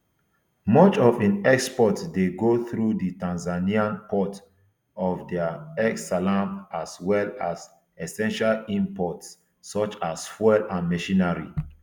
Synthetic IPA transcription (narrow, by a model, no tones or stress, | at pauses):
mɔt͡ʃɔvĩnɛkspɔtsdeɡoθɹuditãnzaniãnpɔt | ɔvdɛəɛksalãmpaswɛlas | ɛsɛ̃nʃalĩmpɔtsː | ɔt͡ʃasfɛlãnmɛʃĩnaɹḭ